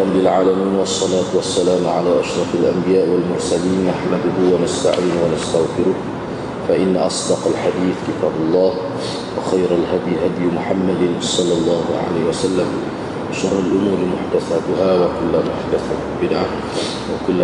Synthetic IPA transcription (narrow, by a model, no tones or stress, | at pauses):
ɾɑbːɪlʕaːlamiːnwɑsˤːɑlaːt̪wasːalaːmʕalaːʔaʃɾˤɑfalʔambɪjaːʔwalmʊɾˤsaliːnːaħmad̪ʊhʊwanast̪a̰ʕiːnwanast̪aɣfɪɾʊh | faʔɪnːaʔɑsˤd̪ɑqalħad̪iːθkɪt̪aːbɑlˤːɑːh | wɪxajɾalɦad̪jɦad̪jmʊħamːad̪sˤɑlːɑlˤːɑːhʕa̰laːhwasalːam | wɪʃɑrˤːalʔʊmuːɾmʊħd̪aθaːt̪ʊhawakʊlːamʊħd̪aθa | bɪd̪ʕa | wɪkʊlː